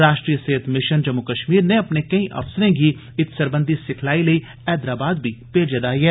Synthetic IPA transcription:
ɾaːʃʈɾiːəseːɪt̪ʰmɪʃənd͡ʒəmːʊkəʃmiːɾneɐpnekɐĩʔɐ̰fsəɾẽɡi | ɪt̪səɾbə̃nd̪ʱisɪkʰlaːiləi | ɛːd̪ɾaːbaːd̪bʱipeːd͡ʒəd̪aːiɦɛː

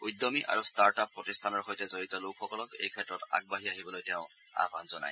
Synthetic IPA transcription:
ujdɔmiʔa̰ɹustaɹtapːɹɔtistʰanɔɹxojtɛzoɹitɔlʊkʰxɔkɔlɔkḛjkʰɛtɹɔta̰ɡ̚baɦiaɦibɔlojtɛʊ̃ | a̰ba̰nzɔna̰j

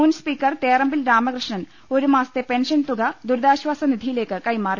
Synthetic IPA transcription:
uːnspiːkːɐrt̪eːrɐmbilɾaːmɐkrɨʂɳɐn | o̞ɾumaːsɐ̥t̪ːepe̞nʂɐnt̪uɡɐd̪uɾd̪aːɕʋaːsɐnid̪ʱijile̞ːkːɨkɐjmaːr

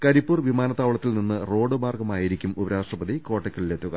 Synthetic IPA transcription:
kɐɾipːuːrʋimaːnɐt̪ːaːʋɐɭɐt̪ːilninːɨro̞ːɖɨmaːrɡɐmaːjiɾikʲːumubɐɾaːʂʈrɐbɐd̪iko̞ːʈːɐkʲːɐɭilet̪ːuɣɐ̰

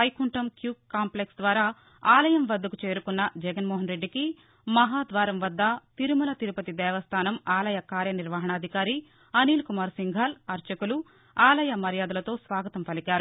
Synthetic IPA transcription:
ɐjkuɳʈɐmkjuːkkːaːmpleksd̪ʋaːɾaː | aːlɐjɐmʋɐd̪ːɐkut͡ʃe̞ːɾukunːɐd͡ʒɛɡɐnmɔːɦɐnɾe̞ɖːiki | mɐɦaːd̪ʋaːɾɐmʋɐd̪ːɐt̪iɾumunɐt̪iɾupɐt̪id̪ɛːʋɐst̪ʰaːnɐmaːlɐjɐkaːɾjɐniɾʋaːɦɐɳɐːd̪ʱikaːɾi | ɐniːlkumaːɾsiŋɡʱaːlɐɾt͡ʃɐkulu | aːlɐjɐmɐɾjaːd̪ɐlɐt̪o̞ːsʋaːɡɐt̪ɐmpɐlikaːɾu

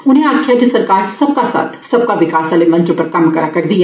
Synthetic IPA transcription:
ʊnɦẽaːkʰːjad͡ʒɪsəɾkaːɾsɐb̚kasa̰ːt̪ʰsɐb̚kaʋɪkaːsalemɐ̃nt͡ʃɾpəɾkɐmkəɾakɐɾd̪ɪja

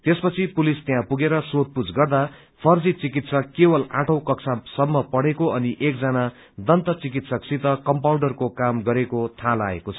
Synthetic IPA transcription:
t̪espʌt͡sʰipulist̪eɦãpuɡeɾʌsot̪̚pud͡zɡʌrd̪a | pʰʌrd͡zit͡sikit̪sʌkːewʌlaʈʰʌw̃kʌksʰasʌmːʌpʌɽekoʌniʔekd͡zana | d̪ʌnt̪ʌt͡sikit̪sʌksit̪ʌkʌmpawɳɖʌrkokamɡʌɾekot̪ʰala̰ḛkot͡sʰʌ̥

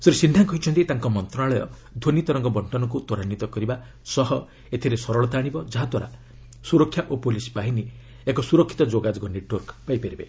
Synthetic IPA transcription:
sɔɾsinɖʱaŋkɔɦit͡ʃʰɔnt̪it̪aŋkɔmɔnt̪ɾɔnaɭɔjɔ̰ | d̪ʱonit̪ɔɾɔŋkɔbɔɳʈɔnɔk̬ut̪ɔɾanːit̪ɔkɔɾiba | sɔɦɔ | et̪ʰiɾesɔɾɔɭɔt̪aɽ̃ibɔd͡ʒaɦad̪waɾa̰ | suɾɔkʰːjaʔopolispaɦini | ekɔsuɾɔkʰːi̥t̪ɔd͡ʒoɡad͡ʒɔɡɔneʈwɔɾkpajpeɾibe

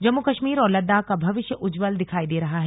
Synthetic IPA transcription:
d͡ʒɐmːukɐʃmiːɾɔːɾlɐd̪ːakabʱɐʋɪʃjəʔʊd͡ʒʋəld̪ɪkʰaːid̪eːɾɐɦaɦɛ

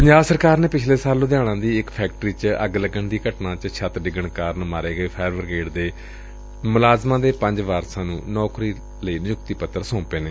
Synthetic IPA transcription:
pəɲd͡ʒaːbsəɾkaːɾneːpɪt͡ʃʰleːsaːlõd̪ɪjãːɽ̃ãːd̪iːɪkpʰɛːk̚ʈɾiːt͡ʃə̰ɡləɡəɳd̪iːkəʈnãːt͡ʃʃʰət̪ɖɪɡəɳkaːɾnmaːɾeːɡəeːpʰɛːɾʋəɾɡeːɖd̪eː | mʊlaːzmãːd̪eːpəɲd͡ʒʋaːɾsãːnũːnɔːkɾiː | ləiːnɪjʊkt̪iːpət̪ːəɾsõːpeːneː

